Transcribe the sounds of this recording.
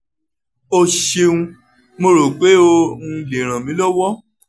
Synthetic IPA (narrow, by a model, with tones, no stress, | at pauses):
o˧ʃe˧ũ˧ | mo˧ɾo˨k͡pe˨˦o˧nũ˧le˨ɾ̃ã˨mĩ˨˦lɔ˦wɔ˦